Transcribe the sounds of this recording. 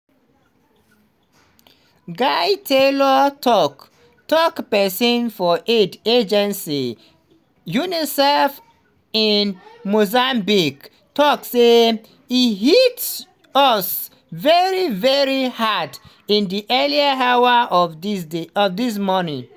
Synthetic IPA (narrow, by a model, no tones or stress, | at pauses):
ɡajtʰelɔtʰɔk | tɔkpɛsɔ̃nfɔʔeded͡ʒɛ̃nsi | junisɛf | inmozambik | tɔkse | ihits | ɔs | vɛɹivɛɹihad | ĩndiʔɛliəɦawə | ɔfdis̬mɔnĩ